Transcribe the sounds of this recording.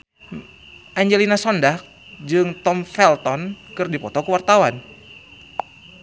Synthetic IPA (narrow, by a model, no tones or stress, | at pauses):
ʔaɲd͡ʒelinasɔndak̚ | d͡ʒɨŋt̪ɔmfɛlt̪ɔnkɨrdipɔt̪ɔkəwart̪awan